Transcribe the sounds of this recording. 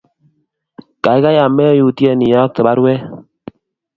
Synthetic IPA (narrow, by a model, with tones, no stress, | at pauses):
ka˨i˦ka˦ja˨mːɛ˦ju˨ti˦ɛ˦˨ni˨ja˦k̚tə˨ɓa˦ɾwɛ˦